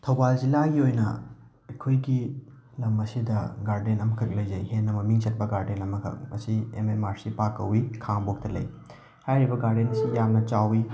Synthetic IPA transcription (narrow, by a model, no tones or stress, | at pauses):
tʰɐwbald͡ʒilaɡiojnɐ̰ | ɐkʰojɡi | lɐmɐsidɐɡaɾdenɐmɐkʰɐk̚lɐjzɐjhenːɐmɐmiŋsɐt̚pɐɡaɾdenɐmɐkʰɐ̰k̚mɐsiḛmemaɾsipakːɐwikʰaŋbok̚tɐlɐ̰j | hajɾibɐɡaɾdensijamnɐt͡ʃawi